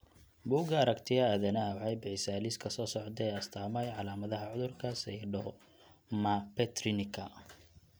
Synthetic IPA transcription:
buːɡɐːɾɐkt̪ʰɪjɐaðɐnɐɐwħɑjbɪħɪsaːliskʰɐsɔːsɔʕt̪ɛɐst̪ʰaːmɐjʕɑlaːmɐðɐɦɐʕʊðʊrkʰɐsɛjɖɔ | mɐpɛt̪rɪnɪkʰɐ̰

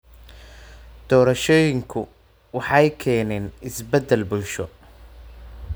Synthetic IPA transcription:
d̪̥ɔːɾɐʃɔːjɪŋkʰʊ | wɑħɑjkʰɛːnɛːnɪsbɛd̪ːɛlbʊlʃɔ

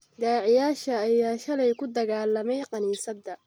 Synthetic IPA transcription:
d̪aːʕjaːʃɐːjaːʃɐlɛjkʰʊd̪ɐɣaːlɐmɛjqɑniːsɐd̪ɐ

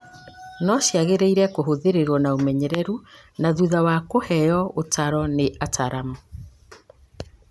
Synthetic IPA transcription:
nɔʃjaɣeɾeiɾɛkoɦoðeɾeɾwɔnaomɛɲɛɾɛɾu | naðuðawakohɛjɔotaɾɔneʔataɾamɔ

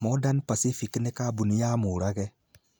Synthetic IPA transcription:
mɔdanpasifiknekabunijamuɾaɣɛ

